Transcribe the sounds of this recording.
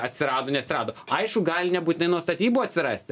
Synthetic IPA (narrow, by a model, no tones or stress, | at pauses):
ɐt̪ʲsʲɪɾɑːd̪oːnʲɛɐt̪sʲɪɾɑːd̪oːɐɪʃkʊɡɑːlʲɪnʲɛbuːt̪ʲɪnɐɪnuɔst̪ɐt̪ʲiːbuɐt̪ʲsʲɪɾɑːsʲt̪ʲɪ